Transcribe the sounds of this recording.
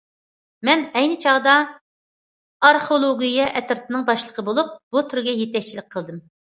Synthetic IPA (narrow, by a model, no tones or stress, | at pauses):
mɛnɛjnɨt͡ʃʰɑʁd̪ɑ | ɑɾχolˠoɡʲijɛʔɛt̪ɪɾt̪ʰɨnɨŋbɑʃlˠəqʰəbolˠup̚b̥ut̪ʰyɾɡʲɛjet̪ɛk̚ʲt͡ʃʰilɪk̚ʲqʰəlˠd̪ɨm